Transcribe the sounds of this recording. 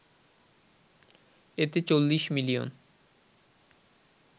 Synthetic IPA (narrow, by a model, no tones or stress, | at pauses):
et̪et͡ɕolːiʃmilio̰n